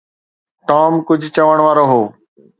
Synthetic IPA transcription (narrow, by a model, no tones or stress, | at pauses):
ʈaːmkʊd͡ʑʱt͡ɕəʋəɽ̃ʋaːɾoːɦoː